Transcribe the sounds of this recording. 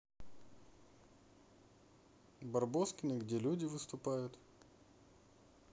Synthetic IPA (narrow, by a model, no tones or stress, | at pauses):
bɐrboskʲɪnɨɡdʲe̞lʲudʲɪvɨst̪ʊpajʊt̪